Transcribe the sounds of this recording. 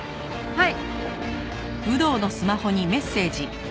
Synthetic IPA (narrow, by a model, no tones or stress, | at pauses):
hai | bɯ̟d̪o̞ːno̞sɨmaho̞ɲ̟ime̞sːe̞ːd͡ʑi